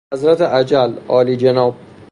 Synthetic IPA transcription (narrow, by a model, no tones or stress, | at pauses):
æzɾæt̪ʰeʔæd͡ʒælɒːliːd͡ʒenɒːb̥̚